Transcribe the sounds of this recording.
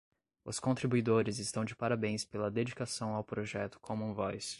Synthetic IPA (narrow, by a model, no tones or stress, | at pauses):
ʊ̰skõt̪ɾibuid̪oɾɪzɪst̪ɐ̃w̃d͡ʒɪpaɾabẽj̃spelɐd̪ed͡ʒikasɐ̃w̃awpɾoʒɛt̪ʊ̥kʰõmʊũvɔjs